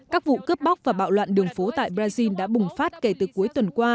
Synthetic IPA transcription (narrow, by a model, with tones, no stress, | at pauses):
kaː˦˥k̚vṵ˧˨kə˦˥p̚ɓa˦˥k͡p̚vaː˨˩ɓa̰ː˧˨wlwa̰ː˧˨nɗɨ˨˩əŋfo˨˦t̪a̰ː˧˨jɓɾaː˧zi˧nɗa̰ː˧˥ɓʊ˨˩ŋ͡mfaː˦˥t̚ke˧˩t̪ɨ˨˩ku˨˦əjt̪wə˨˩nkwaː˧